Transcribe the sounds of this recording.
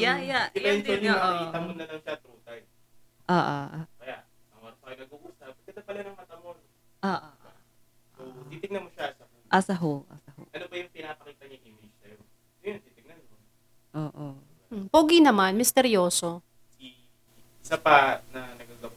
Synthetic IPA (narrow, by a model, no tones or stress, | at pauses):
jajaɪaɛnt͡ʃonɐɐkiːt̪ɐmonːɐlɐŋʃat̪ɾuːt̪ɐj | ʔoːʔo̰kɐjaʔ | ɐmasɐjonɐɡuʔuːsap̚k̪ɐd̪ɐpɐlanɐŋmɐt̪ɐmon | ʔoːʔo | ot̪iːt̪ɪŋ̚nɐnmoʃaʔsɐhoʔasɐɦoʔa̰saho̰ʔɐnobɐjʊŋpɪnaːpɐkiːt̪ɐɲaŋʔimɪd͡ʒsɐjo | jjont̪iːt̪ɪɡ̚nɐno | ʔoːʔo | poːɡinɐmanmɪst̪ɛɾjoːso̞ | i | sapɐnɐnɐɡaɡɐw